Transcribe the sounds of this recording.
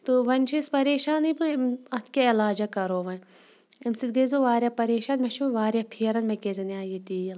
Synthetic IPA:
t̪oʋɐnʲt͡ʃʰispɐɾeːʃaːnibɨemɐt̪ʰkʲaɪlaːd͡ʒɐkɐɾoːʋɐn | emsit̪ɡɐzoʋaːɾjapɐɾeːʃaːnmeʃʰuʋaːɾjapʰiːɾɐnmekezɐniaːjit̪iːjɐl

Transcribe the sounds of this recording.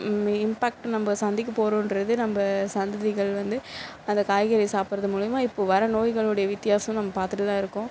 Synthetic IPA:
ɪmpaːk̚ʈnɐmbɐsɐnd̪ɪkːɐpoːɾõːɪnɾɐðɯnɐmbɐsɐnd̪ɐðɪɣɐɭʋɐnd̪ɯ | ɐnd̪ɐkaːjɣɐɾɪsaːpɪɾɐðɯmuːɻɪjɐmaːɪpːoːʋɐɾɐnoːjɣɐɭɯɽɐjɐʋɪt̪ːɪjaːsɐm̃nɐmːɐpaːɾt̪ɯʈɯt̪ãːɪɾɯkːʊ̃

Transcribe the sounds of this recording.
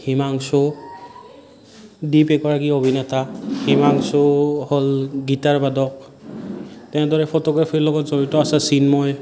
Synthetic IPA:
himaŋso | dipɛkbaɹaɡiobʱinɛtahimaŋsoholɡitaɹbadɔk̚ | tɛ̃ɛ̃dɔɹɛpʰɔtɔɡɹapʰiɹlɔɡɔtzoɹitɔasasinmɔj

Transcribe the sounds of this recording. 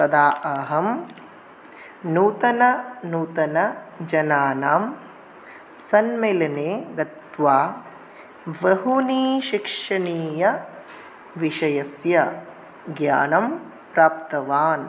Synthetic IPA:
sɐd̪aːʔɐɦɐm | nuːt̪ɐnɐnuːt̪ɐnɐd͡ʒɐnaːnaːm | sɐnmelɐneːɡɐt̪ʋaː | ʋɐɦuniːʃikʂɐɳiːjɐ | ʋiʂɐjɐsjɐ | ɡja̰ːnɐm | pɾaːpt̪ɐʋaːn

